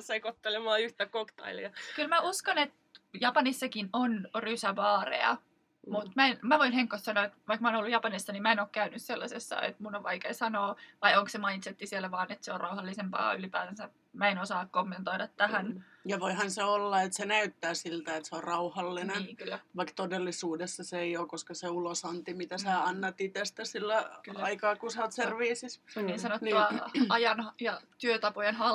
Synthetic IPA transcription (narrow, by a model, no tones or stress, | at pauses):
sɑikot̪ːelemɑːyht̪ækokt̪ɑ̰iliɑkylmæuskɑnet̪ | jɑpɑnisːɑkinonrysæʋɑːrḛɑ̰ | mut̪mæenmæʋoinheŋkːˑost̪sɑnoet̪ʋɑikmɑoːnolːujɑpɑnisːɑnimæenoːkkæynysselːɑ̰sesːɑ̰ḛt̪munoʋʋɑikḛːsɑnoːʋɑijoŋksemɑint̪set̪ːisielːæʋɑːnet̪seorɑuhɑlːisempɑ̰ːylipæ̰ːðænsæ | mæenosɑːkkomːent̪oidɑt̪tæhæn | jɑʋoihɑnseolːɑet̪senæyt̪ːæːsilt̪æet̪seorrɑuhɑlːineniːkylːæʋɑikt̪odelːisuːdesːɑseeioːkkoskɑseulosɑnt̪imit̪æsæɑnːɑt̪it̪est̪æsilːækɑikɑːkusɑot̪serʋiːsissonniːnsɑnot̪nːuɑɑjɑnhjɑt̪yøt̪ɑpojenhɑ